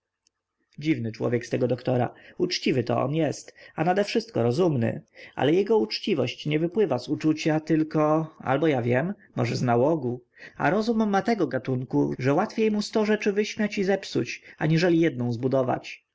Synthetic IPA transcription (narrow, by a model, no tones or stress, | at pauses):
d͡ʑivnɘt͡ʂwɔ̰vʲjɛkst̪ɛɡɔd̪ɔkt̪ɔɾa̰ut͡ʂt͡ɕivɘt̪ɔ̰ɔ̰njɛst̪anad̪ɛfʂɘst̪̚kɔɾɔzumnɘ̰ʔa̰lɛjɛɡɔut͡ʂt͡ɕivɔɕt͡ɕɲɛvɘpwɘvasut͡ʂut͡ɕat̪ɘlkɔa̰lbɔjavʲjɛmːɔ̰ʐɛznawɔɡu | a̰ɾɔzumːat̪ɛɡɔɡat̪uŋkuʐɛwat̪fʲjejmust̪ɔʐɛt͡ʂɘvɘɕmʲjat͡ɕizɛpsṵt͡ɕaɲiʐɛlʲijɛd̪̚nɔ̃w̃zbud̪ɔva̰t͡ɕ